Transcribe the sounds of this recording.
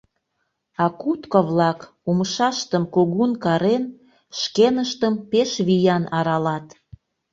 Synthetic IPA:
ɑkut̪koβlɑk | umʃɑʃt̪əmkoɣunkɑɾen | ʃkenəʃt̪əmpeʃβijɑnɑɾɑlɑt̪

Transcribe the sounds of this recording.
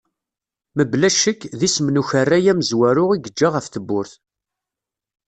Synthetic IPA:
məblæʃəkːðismnuçərːæjæməzwæɾʊʁiɡəd͡ʒːaʁəfθəbːʊɾθ

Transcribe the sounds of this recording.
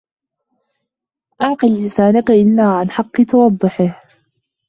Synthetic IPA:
ʔɑʕqɨllɪsaːnakaʔɪlːaːʕanħɑqːɨt̪ɑwɑd̪ˤːɨħɪh

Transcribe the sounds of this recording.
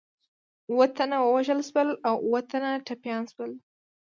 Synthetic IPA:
uwət̪anawəwaʒəlʃwəlawuwət̪anaʈapjɑnswəl

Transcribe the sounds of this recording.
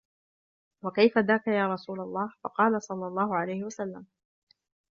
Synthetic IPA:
wakajfad̪aːkajaːɾˤɑsuːlalˤːɑːhfɑqɑːlasˤɑlːɑlˤːɑːhʊʕalajhɪwasalːam

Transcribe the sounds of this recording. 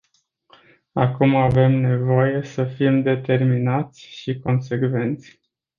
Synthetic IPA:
akumave̞mne̞vo̞je̞səfimd̪e̞t̪e̞rminat̪sʲʃiko̞nse̞kve̞nt̪sʲ

